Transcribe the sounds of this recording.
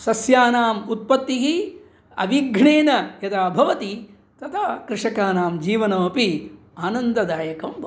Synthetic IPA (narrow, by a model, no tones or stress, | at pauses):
sɐsjaːnaːmut̪̚pɐt̪ːiɦi | ɐ̰ʋiɡʱɳeːnɐjɐd̪aːbʱɐʋɐt̪i | t̪ɐt̪ʰakɾɪʂɐkaːnaːmd͡ʒiːʋɐnɐmɐpi | aːnɐnd̪ɐd̪aːjɐkɐmbʱ